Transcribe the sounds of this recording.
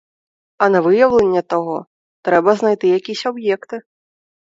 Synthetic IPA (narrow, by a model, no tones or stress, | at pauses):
ɐnɐvɨjɐwlʲɛnʲːɛt̪aɣɔ | t̪ɾɛbɐznajt̪ɨjakʲisʲabjɛkt̪ɨ